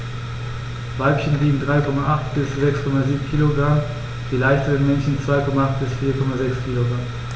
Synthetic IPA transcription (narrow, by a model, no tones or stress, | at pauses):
v̥aɪpçəndiːɡn̩dʁaɪkʰɔmaʔaχtb̥ɪsz̥ɛkskʰɔmaziːbm̩kʰiːloɡʁam | d̥iːlaɪçtədenmɛnçn̩t͡sv̥aɪkʰɔmaaχt̚b̥ɪsfiːɐkʰɔmazɛkskʰiːloɡʁam